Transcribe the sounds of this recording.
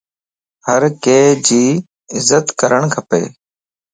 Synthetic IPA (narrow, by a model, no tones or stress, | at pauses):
həɾkeːd͡ʒiː | ɪzət̪kəɾəɳkʰəpḛː